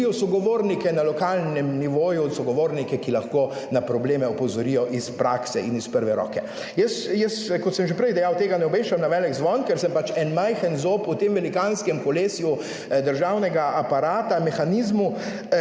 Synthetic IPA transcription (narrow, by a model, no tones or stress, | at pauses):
jɔsɔɡɔʋoːɾnikɛnalɔkaːlnɛmniʋoːjusɔɡɔʋoːɾnikɛkilaxko | napɾɔbleːmɛɔpɔzɔɾijɔʔispɾaːksɛinispəɾʋɛɾɔ̰ːkɛ | jəsjəskɔt̪sɛmʒɛpɾɛjd̪ɛjawt̪eːɡanɛɔbeːʃt͡ʃamnaʋɛːlɛɡzʋɔnkɛɾsɛmpat͡ʃɛnmajxənzoput̪emʋɛlikanskɛmkɔleːsju | d̪əɾʒaːwnɛɡaʔapaɾaːt̪amɛxaniːzmu